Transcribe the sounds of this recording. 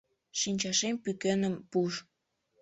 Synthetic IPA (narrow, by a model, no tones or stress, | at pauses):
ʃinʲt͡ɕɑʃempykenə̆mpuʃ